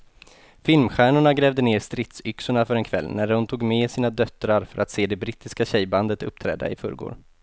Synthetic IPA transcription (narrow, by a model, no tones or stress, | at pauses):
fɪlmɧæːɳʊɳaɡɾɛːvd̪əneːɾst̪ɾɪt̪sʏksʊɳafœɾɛnkʰvɛ̰lːnæɾhʊnt̪ʰuːɡmɛsiːnad̪œt̪ɾaɾfœɾʔat̪seːd̪ɛbɾiːt̪ːɪskaɕɛjband̪ət̪ɵ̰p̚ːt̪ʰɾɛ̰ːd̪a̰ɪ̰fœ̰ɾɡo̰ːɾ